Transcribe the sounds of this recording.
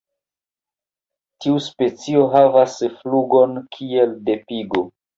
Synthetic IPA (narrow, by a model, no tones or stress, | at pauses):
tiuspe̞t͡sio̞ɦavasfluɡo̞nkʰie̞lde̞piɡo